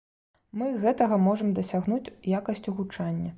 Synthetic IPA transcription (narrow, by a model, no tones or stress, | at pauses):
mɨɣɛt̪ɐɣɐmɔʐɐmd̪ɐsʲaɣnut͡sʲjakɐsʲt͡sʲuɣut͡ʂanʲːɐ